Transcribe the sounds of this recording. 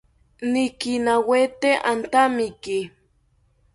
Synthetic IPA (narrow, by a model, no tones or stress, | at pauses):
nikinawet̪eʔant̪amiki